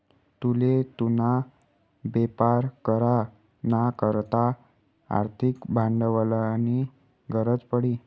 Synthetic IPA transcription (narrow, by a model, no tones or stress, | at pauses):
t̪ulet̪una | bepaɾkəɾa | nakəɾt̪a | a̰ɾt̪ʰikbʱãɳɖəʋələani | ɡʱəɾət͡spəɽiː